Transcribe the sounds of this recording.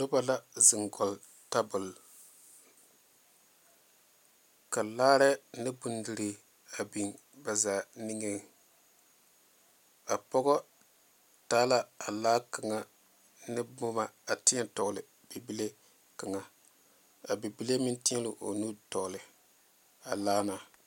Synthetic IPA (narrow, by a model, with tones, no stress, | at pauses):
do˦ba˨la˦zɪ˨ŋɡɔ˨l | ta˦bʊ˨l | ka˨laː˦ɾɛ˦nɨ˦bu˨ndi˨ɾi˨ | a˨bi˨ŋ | ba˨zaː˨nɪ˦ŋe˦ŋ˨ | a˨pɔ˦ɡɔ˦ | taː˦la˨a˨laː˦ka˨ŋa˨ | nɪ˦bʊ˦ma˨a˨tɪ˦ɛ˦tɔ˨lɪ˨ | b̥i˨bi˦le˦ | ka˨ŋa˨ | a˨bi˨bi˦le˦mɪ˦ntɪ˦ɛ˦lʊ˨ʔo̰˨nu˦tɔ˨ɣlɪ˨ | a˨laː˦na˨